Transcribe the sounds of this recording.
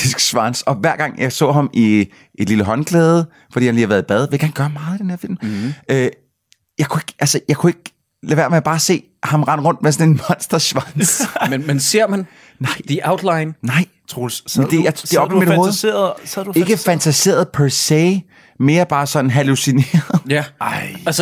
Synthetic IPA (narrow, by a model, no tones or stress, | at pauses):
isɡ̥ɕʋɑnsɒ̽ʋæɐ̰ɡ̥ɑ̈ŋ̰jɑ̈ɪsɔ̰ːɦɑ̈mi | ʔed̥liləɦɒ̽nɡ̥lɛːð̞ˠə | fɒd̥ḭːhænlihɑʋæɐðˠib̥ɛð̞ˠʋe̝ɐ̰ɡ̥æɐnɡ̥ɶɐhmɑ̈ːð̩ˠid̥enhe̝ɐfil̰mø | jɑ̈ɪkʰue̝ɡ̥ʔælsəjɑ̈ɪkʰue̝ɡ̥ə̥ | læʋe̝ɐmeɐb̥ɑ̈ːse̝̰ː | hɑ̈mʁɑ̈n̰ʁɔ̽n̰d̥mesɒ̽ne̝nmɒ̽nsd̥ɐsʋɑnsmnmense̝ɐ̰mæn | nɑ̈ɪ̰d̥iʔɑʊd̥lɑ̈ɪnnɑ̈ɪ̰t͡sʰʁosnd̥e̝jad̥eɒ̽bmid̥o̝ːðˠseːɐð̩ˠse̝ɡ̥əfænt͡sʰæse̝̰ːɐð̞̩ˠpʰæɐseɪ | me̝ːɐb̥ɑ̈ːsɒ̥̽n̩ɦælusine̝̰ːɐð̩ˠjɪæls